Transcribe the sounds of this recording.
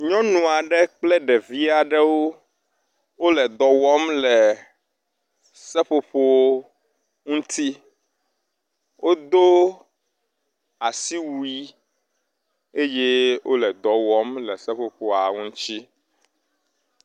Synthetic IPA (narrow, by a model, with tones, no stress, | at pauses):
ɲɔ̃˦nũ˨a˨ɖɛ˦k͡plɛ˦ɖɛ˨vi˦a˨ɖɛ˦wo˦ | wo˦lɛ˨d̪ɔ˨wɔ˦mlɛ˨ | sɛ˦ɸo˨ɸo˦ | ŋũ˦t̪i˦ | wʔo˦d̪o˦ | a˨si˦wu˦i˦ | e˦je˦wʔo̰˦lɛ˨d̪ɔ˨wɔ˦mlɛ˨sɛ˦ɸo˨ɸo˨a˨ŋũ˦t͡ɕi˦